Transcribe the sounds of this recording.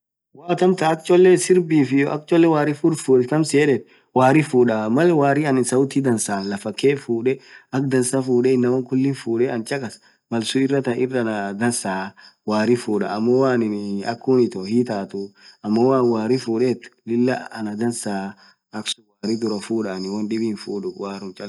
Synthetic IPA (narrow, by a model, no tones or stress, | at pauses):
waːt̪ɐmt̪ɐɐk̚t͡ʃɔlːɛsɪɾbiːfɪjɐk̚t͡ʃɔlːɛwaːɾɪfuɾfuːkɐmseːᶑɛt̪ | waːɾɪfuːᶑɐmɐlɛwaːɾɪɐnɪnsɐwʊt̪iːd̪ɐnsaːnlɐfɐkːeːfuːᶑɛɐk̚d̪ɐnsafuːᶑɛɪnːɐwɐŋkʊlːɪnfuːᶑɛɐnt͡ʃɐkʼɐs | mɐlsʊɪrːɐt̪ɐɪrːɐnɐd̪ɐnsaːwaːɾɪfuːᶑɐ̰ɐmːɔwaːnɪnɐkːuːnɪt̪ɔhiːt̪aːt̪ʊɐmːowaːnwaːɾɪfuːᶑeːt̪ːʊ̥lɪlːɐɐnɐd̪ɐnsaː | ʔɐksʊwaːɾɪd̪ʊɾɐfuːᶑanɪwɐnᶑɪbiːnfuːᶑʊwaːɾʊnt͡ʃʼɐl